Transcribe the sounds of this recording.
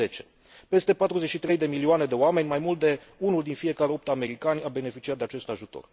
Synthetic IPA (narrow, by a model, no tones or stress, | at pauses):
e̞t͡ʃe̞ | pe̞st̪e̞pat̪ɾuze̞t͡ʃʃit̪ɾe̞jd̪e̞milioane̞d̪e̞oame̞nʲmajmult̪̚d̪e̞ | unuld̪infije̞kaɾeo̞p̚t̪ame̞ɾikanʲabe̞ne̞fit͡ʃiat̪̚d̪eat͡ʃe̞st̪aʒut̪o̞̰r